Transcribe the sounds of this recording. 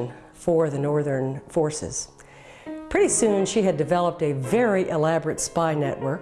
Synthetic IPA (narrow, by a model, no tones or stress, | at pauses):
n | fə˞ðɨnɔɹðə̃˞nfɔɹsɪ̰z̥ | pʰɹ̥ɪɾisʉ̃nʃiɨdɨvɛlˠəp̚tɨvɛɹiʔɪlæbə˞ɨtspaɪnɛ̰ʔwə˞k̚